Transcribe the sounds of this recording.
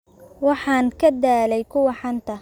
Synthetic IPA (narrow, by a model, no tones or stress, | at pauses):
wɑħɑːŋkʰɐd̪aːlɛjkʰʊwɑħɑnt̪ʰɐ